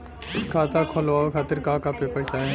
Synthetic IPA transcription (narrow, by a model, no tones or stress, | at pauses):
skʰaːt̪akʰolʋaːokʰaːt̪ɪɾkaːkapepəɾt͡ʃaːe